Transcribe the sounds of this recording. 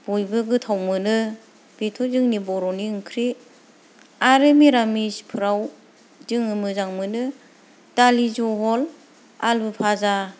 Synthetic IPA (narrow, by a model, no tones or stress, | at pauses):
b̥ujbɯɡɯtʰawmɯnɯ | b̥etʰɔzɯŋnibɔɾɔniɯŋkʰɾi | aɾemiɾamispʰɯɾaw | zɯŋɯmɯzaŋmɯnɯ | talizɔɦɔl | albɯpʰaza